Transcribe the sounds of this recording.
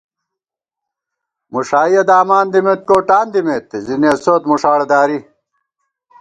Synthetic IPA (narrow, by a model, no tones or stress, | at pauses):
muʂaːjɐd̪aːmaːnd̪imet̪̚koːʈaːnd̪imet̪eziniɐsoːt̪muʂaːɽed̪aːɾi